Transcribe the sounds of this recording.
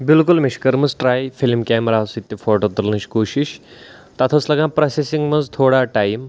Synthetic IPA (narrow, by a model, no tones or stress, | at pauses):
bilkulmiʃkɐɾmɐzʈɾaːjfilmkʲaːmɾaːsit̪ːjifoːʈot̪ɐɾlnɨʃkoːʃiʃ | t̪ɐt̪ʰoslɐɡãpɾɐsesiŋɡmɐnzt̪ʰoːɽaʈaːjm